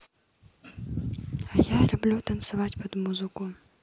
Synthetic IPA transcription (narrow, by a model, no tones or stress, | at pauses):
ajalʲublʲuwt̪ɐnsavat͡sʲpɐd̪muzɨku